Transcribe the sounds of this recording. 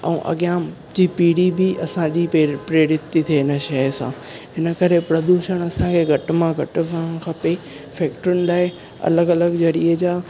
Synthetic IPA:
ɛ̰̃ʔɐ̰ɠijã | d͡ʑiːpiːɽibɪʔɐsãd͡ʑipɾeɾɪt̪ːit̪ʰieɦɪnəʃɐsã̰ː | ɦɪnə̆kɐɾepɾɐd̪uʃəɽ̃ɐsãkʰeɡʱɐʈ̆mãɡʱɐʈʊ̆ʋ̃kʰɐpe | fɛːk̚ʈəɾʊnɪ̆laːɪ | ɐ̰ləɡɐləɡd͡ʑɐɾiəd͡ʑaː

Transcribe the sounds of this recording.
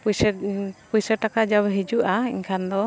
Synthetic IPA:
pusɛpuisəʈakad͡ʒaβɛɦid͡ʒuʔaḭŋkʰand̪ɔ

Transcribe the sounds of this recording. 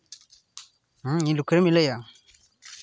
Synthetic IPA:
ɦɲilukʰəɾemileja

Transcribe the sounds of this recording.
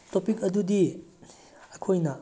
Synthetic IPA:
topikɐdudi | ɐkʰojnɐ

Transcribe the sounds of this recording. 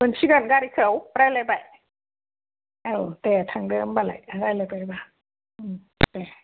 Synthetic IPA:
mənt͡ɕʰikankaːɾikʰɯwɾaːjlajbaj | ʔawt̪ɛːt̪ʰaŋdɤːmbala̰jʔaɾajlapajbaːŋ | ʔɯːm | t̪ɛː

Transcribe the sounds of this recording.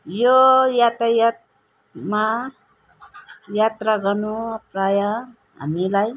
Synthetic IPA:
jojat̪ajat̪ | ma | jat̪ɾaɡʌnupraja | ɦa̰milaj

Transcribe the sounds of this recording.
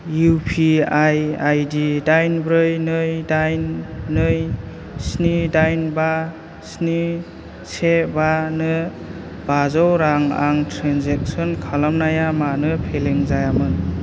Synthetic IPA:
jupʰiajajdidajnbɾɯjnɯjdajnːɯj | snidajnba | sni | sebanɯ | bazɔwɾaŋa̰ŋtʰɾanzek̚sɔnkʰalamnajamanɯpʰeleŋzajamɯn

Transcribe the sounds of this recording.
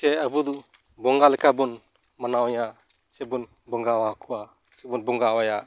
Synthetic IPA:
sɛəbud̪u | bɔŋɡalɛkʰabun | manawja | sɛbun | bɔŋɡawakʰuwa | sɛbunbɔŋɡawajaʔ

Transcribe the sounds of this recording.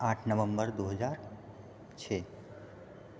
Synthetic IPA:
aʈʰnəʋəmbəɾd̪uɦəd͡ʒaɾ | t͡ʃʰe

